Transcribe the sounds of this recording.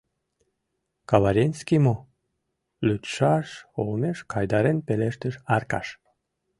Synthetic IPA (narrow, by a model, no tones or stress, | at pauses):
kɑβɑɾʲenʲskʲimo | lyt̪ʃɑʃolneʃkɑjd̪ɑɾenpeleʃt̪əʃɑrkɑ̰ʃ